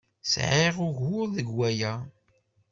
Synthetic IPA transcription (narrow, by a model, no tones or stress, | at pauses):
sʕeʁʊʝwʊɾðəɡwæjæ